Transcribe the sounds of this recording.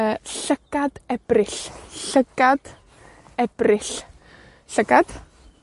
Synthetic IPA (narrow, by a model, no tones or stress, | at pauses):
əɬəɡ̥ad̥ɛb̥rɪɬɬəɡ̥ad̥ | ɛb̥rɪɬ | ɬəɡad̥